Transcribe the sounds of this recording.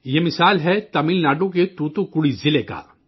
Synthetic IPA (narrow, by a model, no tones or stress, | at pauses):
jemɪsaːlɦɛt̪ɐmilnaːɖõk̬et̪uːt̪õkʊɽizɪleka̰ː